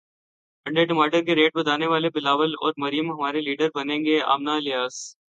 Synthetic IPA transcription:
ɐ̃ɳɖeʈɪmaːɾɖəɾkeɾeːʈ̚bɐd̪aːneʋaːlebɪlaːʋəlɔ̰ːɾmɐɾɪjəmɦɐmaːɾeliːɖəɾbɐnẽːŋɡea̰ːmnaːlɪjaːs

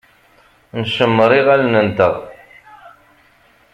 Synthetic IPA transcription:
nʃəmːɾˤiʁælnənt̪əʁ

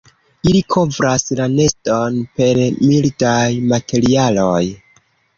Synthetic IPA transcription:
ilikʰo̞vɾaslane̞sto̞npe̞ɾmildajmatʰe̞ɾialoj

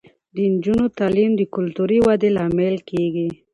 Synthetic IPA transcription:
d̪ənd͡ʒunot̪alimd̪əkʊlt̪uɾiwad̪elɑmɪlkeɡi

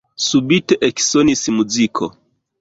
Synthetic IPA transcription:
subiteʔeksonismuzikʰo̰

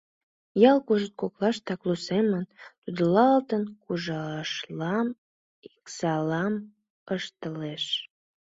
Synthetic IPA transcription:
jɑlkuʒət̪̚koklɑʃt̪ɑklusemənt̪ud̪əlɑlt̪ənkuʒɑʃlɑm | iksɑlɑm | əʃt̪əleʃ

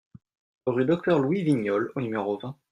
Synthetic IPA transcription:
ʁyd̪ɔk̚t̪œʁlwiviɲɔlonymeʁovɛ̃

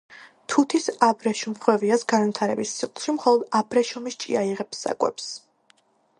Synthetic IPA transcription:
t̪ʰut̪ʰisabɾɛʃumχwɛviasɡanvit̪ʰaɾɛbisiχlˠʃimχɔlˠɔd̪abɾɛʃɔmist͡ʃʼiaiʁɛpsːa̰kʼwɛ̰ps

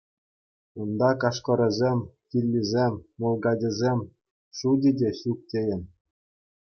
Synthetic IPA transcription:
und̪ɑkɑʂkɤ̆ɾʲɤ̆zʲemʲkʲilʲːizʲemʲːolˠɡɑdʲɘ̆zʲemʲ | ʂudʲɘ̆dʲeɕuk̚tʲejɘ̆nʲ

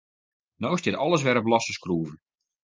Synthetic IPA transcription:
nowɪsdɪtɔlˠəs̬ʋɛɾəbəlɑstəskruːvən

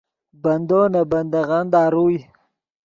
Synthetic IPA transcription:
band̪onaband̪aɣand̪aɾuj

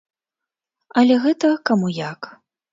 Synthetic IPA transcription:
ɐlʲɛɣɛt̪ɐkamujak

